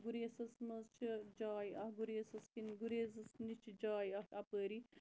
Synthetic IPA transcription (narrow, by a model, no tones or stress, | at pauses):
ɡuɾesɐsmɐzt͡ʃʰid͡ʒaːjɐhɡuɾesɐskinɡuɾezɐsnit͡ʃʰid͡ʒaːjɐhɐpəːɾi